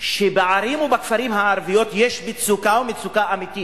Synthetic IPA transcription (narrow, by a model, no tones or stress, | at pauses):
ʃebeʕaɾimubakfaɾimhaaɾvijo̞t̪jeʃbit͡sukaumit͡sukaʔamit̪i